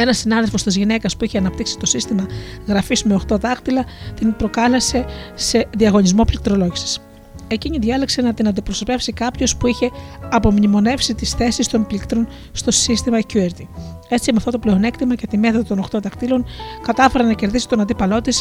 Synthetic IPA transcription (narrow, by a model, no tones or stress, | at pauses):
e̞nɐsinɐðe̞lfo̞st̪izʝine̞kɐspuiçeɐnɐp̚t̪iksi̥t̪o̞sist̪imɐɣɾɐfizmeo̞xt̪o̞ðɐkt̪ilɐt̪inpɾo̞kɐlese̞se̞ðiɐɣo̞ɲizmo̞plik̚t̪ɾo̞lo̞ʝisi̥s | e̞ciɲiðʝɐlekse̞nɐt̪inɐnd̪ipɾoso̞pe̞fsikɐpço̞spuiçe̞ɐpo̞mɲimo̞ne̞fsit̪isθe̞sist̪o̞nplikt̪ɾo̞n | st̪o̞sist̪imɐcueɾt̪i | e̞t͡siɐmeɐft̪ot̪ople̞o̞ne̞kt̪imɐce̞t̪ime̞θoðot̪ono̞xt̪o̞ðɐkt̪ilo̞nkɐt̪ɐfe̞ɾɐnɐce̞ɾðisi̥t̪o̞nɐnd̪ipɐlo̞t̪is